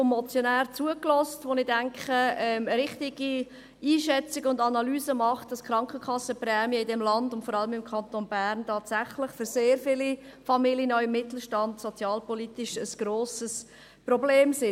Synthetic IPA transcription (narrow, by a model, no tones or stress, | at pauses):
mɔt͡sjɔnæːrt͡suəklɔstʋonɪdæŋkχəɛmɾɪχtɪɡ̥i | iːʃɛt͡sɪɡəʊndɑnɑlyːzəmɑχt̚d̥ɑskɾɑŋkχəkχɑsːəprɛːmiəɪdɛmlɑndʊntfɔɾɑləmɪmkʰɑntonbæːrntɑːtsæχlɪχføɾseːɾfɪlifɑmiljənɔʏɪmːɪtl̩ʃtɑndsot͡sjɑːlpɔlitɪʃəsɡ̥ɾoːsəs | probleːmsɪ